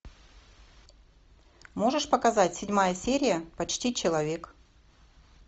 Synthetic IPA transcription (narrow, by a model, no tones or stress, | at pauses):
mo̞ʐɨʂpəkɐzatʲsʲɪdʲmajəsʲeɾʲɪjəpɐt͡ɕtʲit͡ɕɪlˠɐvʲe̞k